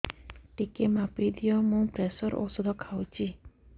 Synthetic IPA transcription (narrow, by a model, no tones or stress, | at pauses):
ʈikemãpid̪ijɔmũpɾesɔɾʔɔ̰sud̪ʱɔkʰawt͡ʃʰi